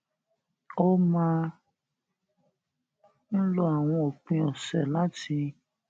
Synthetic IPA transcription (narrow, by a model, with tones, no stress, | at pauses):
o˧mã˦ | n̩˦lɔ˦a˨w̃ɔ̃˧o˨k͡pĩ˧ɔ˨sɛ˨la˦ti˧